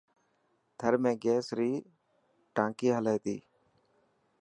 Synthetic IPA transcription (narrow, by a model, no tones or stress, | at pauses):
t̪ʰəɾmẽːɡeːsɾiː | ʈãːkiːɦəleːt̪ḭː